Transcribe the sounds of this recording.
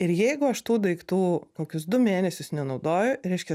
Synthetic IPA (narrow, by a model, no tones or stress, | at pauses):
ɪɾjɛɪɡʊɐʃt̪uːd̪ɐɪkt̪uːkoːkʲʊsd̪ʊmʲeːnʲɛsʲʊsnʲɛnɒʊd̪oːjʊɾʲɛɪʃʲkʲɛ